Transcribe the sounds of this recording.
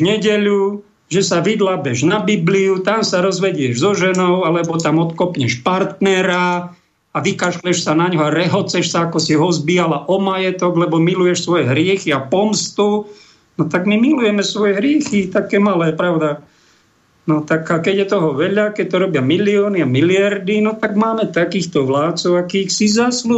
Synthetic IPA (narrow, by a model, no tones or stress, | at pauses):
ɲɛɟɛʎu | ʒɛsaʋid̪labɛʒnabibliut̪amsaɾɔzʋɛɟɛʒzɔʒɛnɔʊalɛbɔt̪amɔt̪kɔpɲɛʃpaɾt̪nɛɾa | aʋikaʃlɛʃsanaɲɦɔaɾɛɦɔt͡sɛʃsaakɔsiɦɔzbiːalaʔɔmajɛt̪ɔɡlɛbɔmilujɛʃsʋɔjɛɦɾɪɛxiapɔmst̪u | nɔt̪aɡmimilujɛmɛsʋɔjɛɦɾɪɛxit̪akɛːmalɛːpɾaʊd̪a | nɔt̪akkɛɟjɛt̪ɔɦɔʋɛʎakɛc̚t̪ɔɾɔbɪamiliɔːniamilɪaɾd̪inɔt̪aɡmaːmɛt̪akiːxt̪ɔʋlaːt̪t͡sɔʊakiːxsizaslu